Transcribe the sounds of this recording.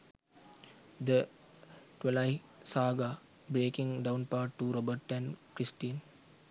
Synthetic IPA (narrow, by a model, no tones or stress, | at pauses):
d̪ə | ʈwɛlaɪ | saːɡa | bɾeːkĩŋɖãʊ̃npaːʈːuɾɔbəʈɛ̃nkɾisʈiːn